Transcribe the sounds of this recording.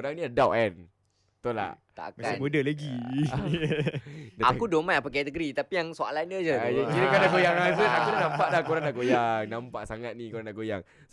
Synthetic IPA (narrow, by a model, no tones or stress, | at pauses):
koɾaŋniadawʔɛn | t̪ola̰ | t̪a̰a̰kaamudəlaɡi | daa̰kudomanapak̬ɛt̪əɡɾit̪apijaŋsoa̰lanəd͡ʒəjakiɾəkalaɡojaŋas̬ənakudanãmpaʔlahkoɾaŋdaɡojaŋnãmpaʔsaŋat̪̚nikoɾaŋdaɡojaŋ | s